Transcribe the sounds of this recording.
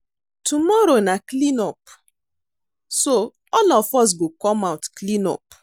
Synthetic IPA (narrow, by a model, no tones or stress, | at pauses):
tumɔɾonaklinɔp | so | ɔlɔfɔs̬ɡokɔmawtklĩnɔ̰p̚